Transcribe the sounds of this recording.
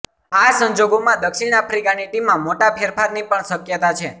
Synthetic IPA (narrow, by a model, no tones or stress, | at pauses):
asə̃ɲd͡ʒoɡomãd̪əkʃiɳapʰɾikaniʈimːãmoʈapʰeɾpʰaɾnipəɳsəkjət̪at͡ʃʰe